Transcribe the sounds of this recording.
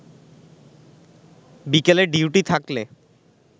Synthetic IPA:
bikeleɖiuʈit̪ʰakle

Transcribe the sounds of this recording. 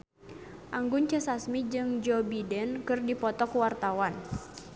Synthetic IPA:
ʔaŋɡʊnt͡ʃɛsasmid͡ʒɨŋd͡ʒɔbidɛnkɨrdipɔt̪ɔkuwart̪awan

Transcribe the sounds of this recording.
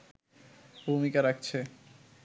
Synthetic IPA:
bʱumikaɾak̚t͡ɕʰe

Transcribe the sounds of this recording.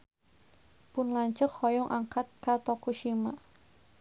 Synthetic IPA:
pʊnlaɲt͡ʃəkhɔjɔŋʔaŋkat̪̚kat̪ɔkuʃima̰

